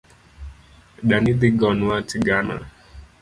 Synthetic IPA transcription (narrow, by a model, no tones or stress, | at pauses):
ɗanid̪iɡɔnuatiɡana̰